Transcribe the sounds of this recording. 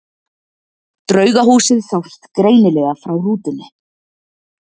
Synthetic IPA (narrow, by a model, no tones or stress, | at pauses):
t̪ɾœːɥɣaɦuːsɪðθawrt̪kɾeːjnɪlɛːɣafɾawruːt̪ɪnːɪ